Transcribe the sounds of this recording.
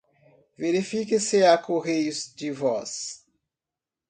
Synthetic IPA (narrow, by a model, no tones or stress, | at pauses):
veɾifikɪsɪakoɣejʊzd͡ʒɪvɔs